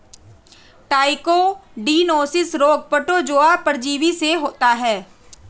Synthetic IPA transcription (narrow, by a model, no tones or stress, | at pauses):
ʈaːɪkoɖiːnoːsɪsɾoːɡ̚pəʈod͡ʒoːapəɾd͡ʒiːʋiseɦoːt̪aɦɛː